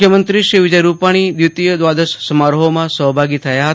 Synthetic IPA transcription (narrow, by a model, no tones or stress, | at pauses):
jəmənt̪ɾiʃɾiʋɪd͡ʒəjɾupaɽ̃id̪jut̪ijəd̪ʋad̪əssəmaɾɦomãsəɦbʱaɡit̪ʰəjaɦət̪